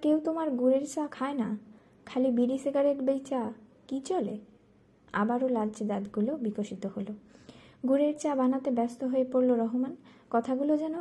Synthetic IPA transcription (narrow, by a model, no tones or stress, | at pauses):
kewt̪omaɾɡuɾeɾt͡ɕakʰaena | kʰalibiɖiseɡaɾeʈbejt͡ɕakit͡ɕole | a̰baɾolad͡ʑd̪ad̪ɡulobikoʃit̪oholoɡuɾeɾt͡ɕabanat̪ebɛst̪oɦoepoɾloɾɔɦoman | kɔt̪ʰaɡulod͡ʑɛno